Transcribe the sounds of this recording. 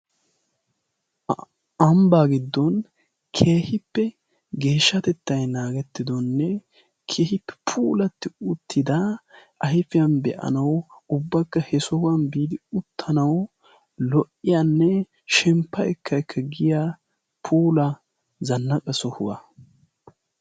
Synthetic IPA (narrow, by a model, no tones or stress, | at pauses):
ɐmbaɡɪd̪ːɔn | kʰe̞ːhɪpːɛ | ɡe̞ːʃːɐt̪ɛt̪ːɐjnaːɡɛt̪ːɪd̪ɔnːɛ | kʰeːhɪpːɛ̥pʰuːlɐt̪ːɪʊt̪ʰːɪd̪ɐʔɐjɪfɪjɐnbɛʔɐ̰nɐwʊbːɐkːɐhɛsɔhʊwɐnbiːd̪ɪʊt̪ʰːɐnɐw | lɔʔɪjanːɛ | ʃɛmpːɐɛkʰːɐkʰːɐɡɪjaː | pʰuːlɐ | zɐnːɐkʼɐsɔhʊwɐ̰